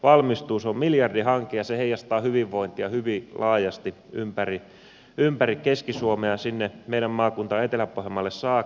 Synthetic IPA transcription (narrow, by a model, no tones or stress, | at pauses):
ʋɑlmist̪uːsommiljɑrdihɑŋkejɑseheijɑst̪ɑːhyʋiʋːoint̪iɑhyʋilɑːjɑst̪i | ʔympæri | ympærikeskisuomeɑsinːemeiɾæmmɑːkunt̪ɑet̪elæpohemːɑlːessɑː